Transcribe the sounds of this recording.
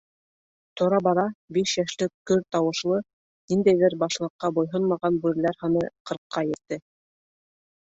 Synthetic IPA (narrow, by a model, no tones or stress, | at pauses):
t̪ŏɾɑbɑðɑbiʃjæʃlɘkkːɵɾt̪ɑwɤ̆ʃlˠɤ | nind̪æjðɘɾbɑʃlˠɤ̆qːɑbujɦɤnmɑʁɑnbʉɾɘ̆læɾhɑnɤqɤ̆ɾqʰːɑjɘ̆ɾt̪ːɘ